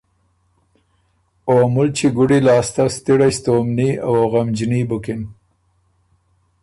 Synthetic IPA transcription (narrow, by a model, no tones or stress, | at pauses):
oamʊlt͡ʃiɡʊɽilɑːst̪ast̪iɽast̪oːmniawoɣamd͡ʒnibʊkɪn